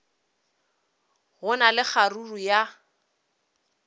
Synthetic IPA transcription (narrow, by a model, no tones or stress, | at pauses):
ɣʊnalɪk͡xaruruja